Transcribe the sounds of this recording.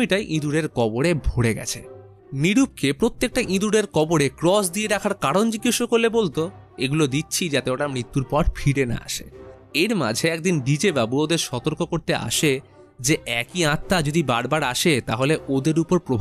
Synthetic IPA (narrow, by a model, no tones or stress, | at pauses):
iʈajʔĩd̪uɽeɾkɔboɽebʱoɽeɡɛ̰t͡ɕʰḛ | niɾub̚kepɾot̪ːek̚ʈaʔĩd̪uɽeɾkɔboɽekɾɔsd̪ieɾakʰaɾkaɽond͡ʑiɡːiʃokolːebolt̪o | eɡulod̪itːɕʰid͡ʑat̪eoʈamɽit̪ːuɾpɔʈfʰiɽena̰a̰ʃḛ | eɾma̰d͡ʑʱeɛk̚d̪inɖid͡ʑebabuod̪eɾʃɔt̪oɾkokoɾt̪eʔa̰ʃe | d͡ʑeʔɛkiãt̪ːad͡ʑod̪ibaɾbaɾaʃet̪a̰ɦoleʔod̪eɾupoɾpɾobʱ